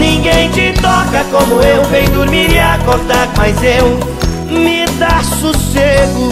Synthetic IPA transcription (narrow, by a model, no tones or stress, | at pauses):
nĩɡẽj̃t͡ʃɪt̪ɔkɐkõmʊewvẽjd̪uɾmiɾɪakoɾd̪aɾmajzew | mɪd̪asuseɡʊ